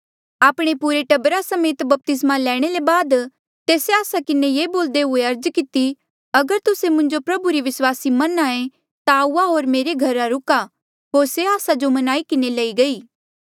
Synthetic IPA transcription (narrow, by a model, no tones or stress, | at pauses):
aːpɽ̃epuːɾeʈɐbɾasɐmeːt̪bɐp̚t̪ɪsmalɛːɽ̃elebaːd̪ | t̪eːseaːsakɪnejeːboːld̪eɦʊeɐɾd͡ʒkɪt̪i | ɐɡəɾt̪ʊsemʊ̃ɲd͡ʒopɾɐbuɾiʋɪswaːsimɐnaːẽ | t̪auaɦoːɾmeːɾeɡʱɐɾaɾʊka | ɦoːɾseaːsad͡ʒomɐnaːikɪnelɐiɡɐiː